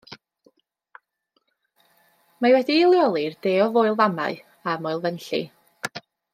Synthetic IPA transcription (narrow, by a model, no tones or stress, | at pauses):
mawɛdiːlˠjɔlˠird̥eːɔvoːɨlˠvama̰ɨ | amoɨlˠvɛnɬḭ